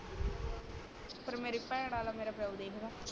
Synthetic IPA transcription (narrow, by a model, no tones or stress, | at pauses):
pəɾmɛːɾipɛ̃ːɽaːlaːmeːɾapɛːud̪eːkʰd̪aː